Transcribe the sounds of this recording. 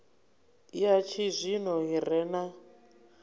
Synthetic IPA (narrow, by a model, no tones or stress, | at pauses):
ijat͡ʃʰizʷinɔɦirɛna